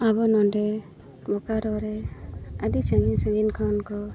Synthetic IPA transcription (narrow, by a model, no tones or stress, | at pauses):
abɔnɔndɛ | bɔkaɾɔɾɛadisaɡinsãŋɡinkʰawnkɔ